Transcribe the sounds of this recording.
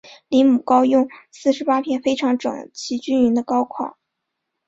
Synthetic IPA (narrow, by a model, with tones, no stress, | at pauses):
li˧˥mu˨˩kɑ˥ʊjʊ˥˧ŋsɹ̩˥˩ʂɻ̩˧˥pa˥pʰjɛ˥˩nfe˥ɪʈ͡ʂʰɑ˧˥ŋʈ͡ʂɤ̰˨˩ŋt͡ɕʰi˧˥t͡ɕy˥ny˧˥nd̪ə˧kɑ˥ʊkʰwɑ̰˨˩˦